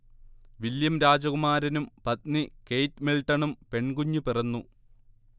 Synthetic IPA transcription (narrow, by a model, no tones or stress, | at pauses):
ʋiljɐmɾaːd͡ʑɐɣumaːɾɐnumpɐt̪nike̞jtmiɭʈːɐɳumpe̞ɳɡuɲːupirɐnːu